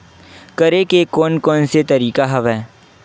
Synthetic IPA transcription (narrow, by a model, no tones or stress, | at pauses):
kɐɾekekɔːnkɔːnset̪ɐɾiːkaɦɐʋɛː